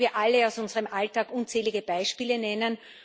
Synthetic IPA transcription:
viːɐʔalːəaʊsʊnzəʁəmʔaltaːkʔunt͡sɛːlɪɡəb̥aɪʃpiːlənɛnən

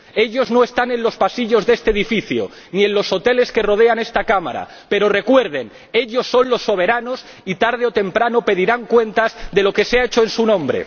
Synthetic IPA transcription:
e̞ʎo̞zno̞e̞st̪anẽ̞nlo̞spasiʎo̞zðe̞st̪eðifiθjo̰ | nie̞nlo̞sot̪e̞le̞ske̞ro̞ð̞e̞ane̞st̪akama̰ɾa̰ | pe̞ɾo̞re̞kwe̞ɾð̞e̞n | e̞ʎo̞sːo̞nlo̞sːo̞β̞e̞ɾano̞s | it̪aɾð̞eo̞t̪e̞mpɾanope̞ðiɾaŋkwe̞nt̪azðe̞lo̞ke̞seaet͡ʃoe̞nsunõ̞mbɾe̞̰

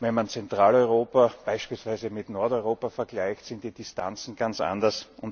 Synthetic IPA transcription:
vɛnmant͡sɛntʁaːlɔʏʁoːpɐb̥aɪʃpiːlsvæɪzəmɪtnɔɐtɔʏʁoːpɐfɛɐɡlaɪçtsɪ̃nt̚d̥iːd̥ɪsta̰nt͡sn̩ɡ̥ant͡sʔa̰ndɐsʊnt

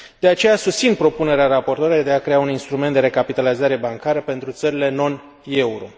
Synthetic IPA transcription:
d̪̥e̞at͡ʃe̞jasust̪sinpɾo̞pune̞ɾeaɾapo̞rt̪oɾeed̪e̞akɾe̞auninst̪ɾument̪d̪eɾe̞kapit̪alizaɾe̞baŋkaɾəpe̞nt̪ɾut̪səɾile̞no̞n | e̞uɾo̞̰

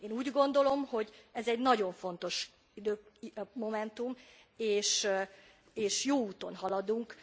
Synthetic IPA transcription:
eːnuːɟɡo̞nd̪o̞lo̞mho̞ɟɛzɛɟnɒɟo̞ɱfo̞n̪t̪o̞ʃ | id̪øːmomɛnt̪um | eːʃ | eːʃjoːuːt̪o̞̰nɦɒlɒd̪uŋk

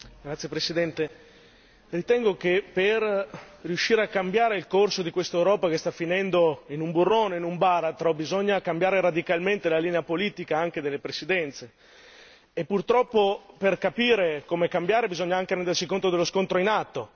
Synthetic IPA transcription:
ɡɾat̪sːjepɾesid̪ɛnt̪e | rit̪ɛŋɡokeperriuʃːiːɾeakːambjaːɾeilkorsod̪ikwest̪aewɾɔːpakest̪afːinɛnd̪oinumburːoːneinumbaɾat̪ɾobizoɲːakambjaːɾeɾad̪ikalment̪elaliːneapoliːt̪ikaaŋked̪elːepɾesid̪ɛnt̪seː | pːurt̪ɾɔpːoperkapiːɾekomekambjaːɾebizoɲːaaŋk̟eɾɛnd̪ersikont̪od̪elːoskont̪ɾoinat̪ːo

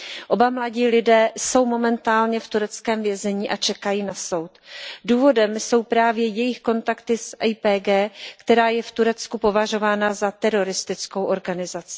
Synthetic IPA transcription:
ʔo̞bamlaɟiːlɪdɛːso̞wmo̞mɛnt̪aːlɲɛft̪uɾɛt͡skɛːmvjɛzɛɲiːʔat͡ʃɛkajiːnaso̞wt̪duːvo̞dɛmso̞wpɾaːvjɛjɛjɪxko̞nt̪akt̪ɪsʔɛjpɛːɡɛːkt̪ɛɾaːjɛft̪uɾɛt͡skupo̞vaʒo̞vaːnazat̪ɛɾo̞ɾɪst̪ɪt͡sko̞wʔo̞ɾɡanɪzat͡sɪ̥

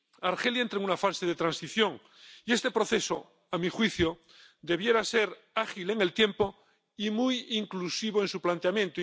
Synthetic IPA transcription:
aɾxe̞ljaent̪ɾeŋunafaseð̞et̪ɾansiθjo̞ŋ | ie̞st̪e̞pɾo̞θe̞so | amixwiθjo | d̪e̞βje̞ɾase̞ɾ | axileŋe̞lt̪je̞mpo̞ | imujiŋklusiβ̞o̞ensuplant̪eamjẽnt̪o

